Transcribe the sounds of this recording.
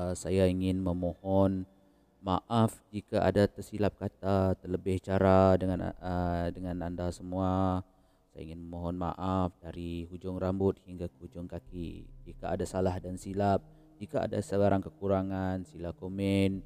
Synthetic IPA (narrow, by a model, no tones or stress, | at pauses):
sajaiŋɪnməmohɔn | maʔafd͡ʒikaʔa̰dat̪ərsilap̚kat̪at̪ərləbɪht͡ʃaɾadəŋanədəŋanandasəmua | saja̰ḭŋɪnməmoɦɔnma̰ʔafdaɾiɦud͡ʒʊŋrambʊt̪̚hiŋɡakəud͡ʒʊŋkakḭd͡ʒikaadasalahdansilap̚ | d͡ʒikaa̰dasəɡaɾaŋkəkuɾaŋansilakomɛn